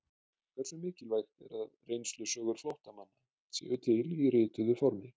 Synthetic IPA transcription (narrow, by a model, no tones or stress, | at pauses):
kʰv̥ɛɾsʏmɪːcɪlvajxt̪ɛ̰ɾaðrejnst̪lʏsœːɣʏɾ̥flowht̪amanːa | sḭʏt̪ʰɪlirɪːt̪ʏðʏfɔɾmɪ